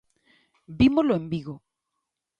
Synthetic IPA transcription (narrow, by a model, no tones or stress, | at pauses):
bimozloembiɣo